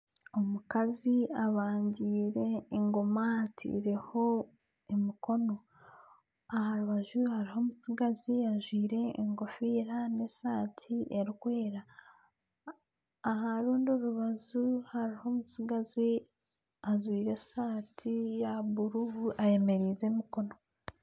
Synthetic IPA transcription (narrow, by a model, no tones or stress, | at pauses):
omukaziaβaːɲɟiːɾe̞ːŋɡo̞maatʰḭːɾe̞ho̞ | emiko̞no̞ | ahaɾuβaʒuhaɾiho̞ːmusiɡaziaʒwiːɾe̞ːŋɡo̞fiɾane̞saːtʰieɾikwe̞ːɾa | haɾuːndioɾuβazuhaɾiho̞musiɡazi | azwiːɾe̞saːtʰijaβuɾuβuʔaje̞me̞ɾizemiko̞no̞